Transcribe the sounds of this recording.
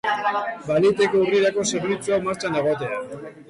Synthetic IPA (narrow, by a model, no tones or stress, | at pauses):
balit̪e̞kouriɾako̞se̞ɾβit͡suawmaɾt͡sanaɣ̞ot̪̬e̞a